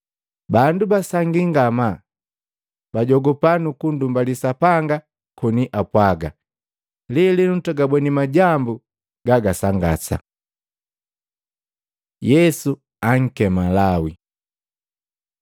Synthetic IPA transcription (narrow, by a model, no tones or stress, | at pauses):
bandubasaŋɡiŋɡama | baɟɔɡɔpanukundumbalisapaŋɡa | kɔniʔapwaɡa̰ | lilinutɔɡabwɛnimaɟambu | ɡ̥aɡasaŋɡa̰sa̰ | jɛsu | aŋ̩kɛmalawḭ